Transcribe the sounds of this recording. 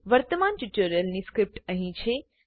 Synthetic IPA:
ʋɐɾt̪əmaːnt͡ʃuʈuɾjəlniskɾɪp̚ʈɐ̃ɦĩt͡ʃʰe

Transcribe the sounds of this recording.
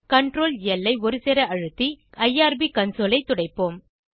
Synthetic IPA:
kɐɳʈɾoːlɛlːɐɪɔɾɯsɛɾɐɐɻɯt̪ːiɐjaːɾbikɐnsoːlɐɪt̪ːʊɽɐɪpːoːm

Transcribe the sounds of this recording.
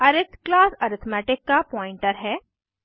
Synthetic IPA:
ɐɾɪt̪ʰklaːsɐɾɪt̪ʰmɛːʈɪkːapɔːɪ̃ɳʈəɾɦɛː

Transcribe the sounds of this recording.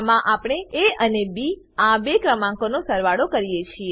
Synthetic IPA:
mãʔapɳ̃eeənebi | ãbekɾəmãkonosəɾʋaɽokəɾijet͡ʃʰie

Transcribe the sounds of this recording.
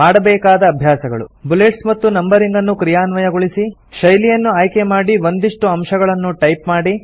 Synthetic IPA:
maːɽɐbɛːkaːd̪ɐːbʱjaːsɐɡɐ̰ɭṵbuleʈsmɐt̪ːunɐmbɐɾiŋɡɐnːukɾijaːnʋɐjɐɡoɭisi | ʃɐjlijɐnːuaːjkemaːɽiʋo̞nd̪iʂʈuɐmʃɐɡɐɭɐnːuʈɐjpmaːɽi

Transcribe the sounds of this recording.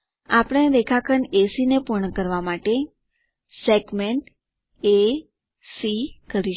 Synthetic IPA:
apɽ̃ẽd̪ekʰakʰənesinepuɾɳəkəɾʋamaʈe | seɡmeɳʈ | e | sikəɾi

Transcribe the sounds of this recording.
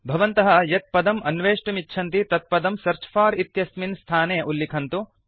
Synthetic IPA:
bʱɐʋɐnt̪ɐɦɐjɐt̪̚pɐd̪ɐmɐnʋeːʂʈɐmitːʃʰɐnt̪it̪ɐt̪̚pɐd̪ɐmsɐɾt͡ʃʰɐ̥faːɾit̪jɐsminst̪ʰaːneːʔulːikʰɐnt̪u

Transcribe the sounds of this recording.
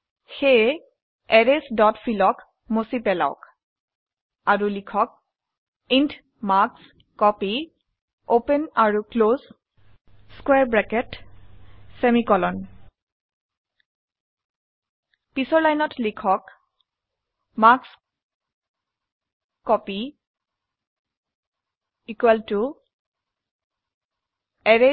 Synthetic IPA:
xej | ɛɹesdɔtfʰilɔk | mosipɛla̰ʊk | aɹulikʰɔk̚ | int | maks | kɔpi | openaɹukloz | skwɛɹbɹɛkɛt | semikɔlɔn | pisɔɹlajnɔtlikʰɔk | maks | kɔpi | ikwɛltu | ɛɹe

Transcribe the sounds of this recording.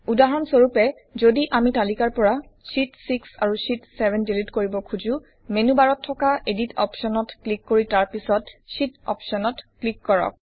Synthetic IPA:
udaɦɔnsoɹupɛ | zodiʔamitalikaɹpɔɹa | sitsiksa̰ɹusitsɛbʱɛndilitkoɹibɔkʰuzũ | menubaɹɔtʰːɔkaʔeditɔ̰psɔnɔtklikːoɹitaɹpisɔtsitɔ̰psɔnɔtklikːɔɹɔ̰k̚

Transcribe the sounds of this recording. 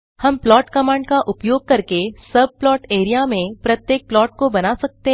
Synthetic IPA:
hɐmplɔːʈkɐmãːɳɖkaʔʊpjoːɡ̚kɐɾkesɐb̚plɔːʈeːɾijamẽpɾɐt̪jeːk̚plɔːʈ̚kobɐnasɐk̚t̪e

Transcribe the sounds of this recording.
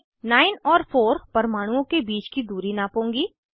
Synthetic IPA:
naːɪnɔːɾpʰoːɾpɐɾmaːɽ̃ũõkebiːt͡ʃkid̪uːɾinapõːŋɡiː

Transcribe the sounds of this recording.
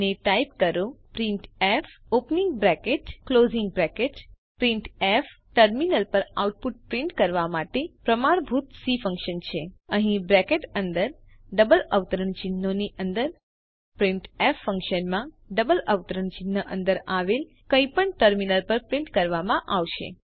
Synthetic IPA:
əneʈaip̚kəɾũpɾiɳʈef | opniŋɡ̚bɾɛkeʈkloziŋɡbɾɛkeʈ | pɾiɳʈef | ʈəɾminəlpəɾauʈ̚puʈ̚pɾĩɳʈkəɾʋamaʈepɾəmaɾbʱut̪sifə̃ŋkʃənt͡ʃʰeəɦĩbɾɛkeʈənd̪əɾ | ɖəbələʋt̪əɾəɳt͡ʃinːoniʔənd̪əɾ | pɾiɳʈefːə̃ŋkʃənmã | ɖəbələʋt̪əɾəɳt͡ʃɪnːəʔənd̪əɾaʋel | kəipəɳʈəɾminəlpəɾpɾĩɳʈkəɾʋamãʔaʋʃḛ

